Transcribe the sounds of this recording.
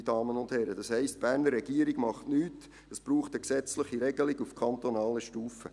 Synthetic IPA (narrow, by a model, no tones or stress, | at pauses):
dɑːmənʊnd̥hɛɾədɑshɛɪstb̥æːɾnəɾːɛɡiːəɾiɡmɑχtnyːt | əsb̥ɾuːχtəksɛt͡sləχiɾɛɡəlɪɡufkʰɑnt̪onɑːləʃtuːfə